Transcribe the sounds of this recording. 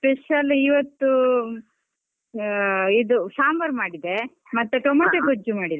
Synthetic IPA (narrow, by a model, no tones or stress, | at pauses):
speʃɐliʋɐt̪ːu | id̪usaːmʋɐɾmaːɽid̪e | mɐt̪ːuʈomɐʈekud͡ʒumaːɽid̪e